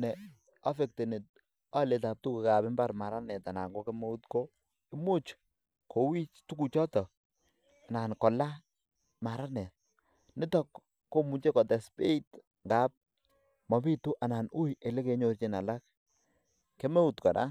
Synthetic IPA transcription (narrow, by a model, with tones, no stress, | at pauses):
nɛ˨ | a˦fe˨k̚te˨ne˨t | a˦le˨ta˨p̚tu˦kɪ˨ka˨pɪ˦mba˦ɾma˨ɾa˦nɛ˨ta˨na̰˨ŋɡɔ˦ke˦me˦u˦tko˦ | ɪ˦mʊ˦t͡ʃ | ko˨wi˦t͡ʃtu˦ku˨t͡ʃɔ˦tɔ˨ | a˨na˨nkɔ˨la˦ | ma˨ɾa˦nɛ˨t̚ | nɪ˦tɔ˦kː | o˦mu˨t͡ʃe˦kɔ˨tɛ˨spe˦it | ŋɡa˦p̚ | mɔ˨pi˦tu˦ʔa˨na˨nu˦je˨le˦ke˨ɲo˦rt͡ʃi˦˨na˨la˦k̚ | ke˦mɛ˦u˦tkɔ˨ɾa̰˦